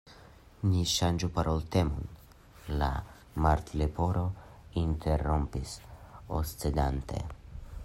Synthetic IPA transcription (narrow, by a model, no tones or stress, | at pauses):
niʃand͡ʒupaɾolt̪emṵn | la̰ | maɾt̪lepoɾoint̪ʰerompiso̰st͡sed̪ant̪ʰe̞̰